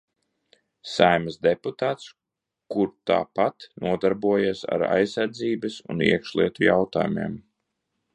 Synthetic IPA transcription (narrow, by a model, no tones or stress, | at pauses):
sajməzd̪ɛput̪aːt̪s | kuɾt̪a̰ːpat̪nuɔd̪aɾbuɔjasa̰ɾa̰jsːaɾd̪ziːbɐsṵnḭɛkʃlˠiɛt̪ujawt̪a̰ːjumḭɛm